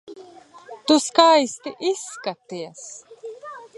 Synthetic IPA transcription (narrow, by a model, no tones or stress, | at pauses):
t̪uskajst̪iʔiskat̪ias